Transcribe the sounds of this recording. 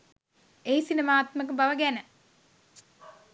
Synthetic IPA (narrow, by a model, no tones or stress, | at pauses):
eisinemaːt̪məkəbaʋəɡænə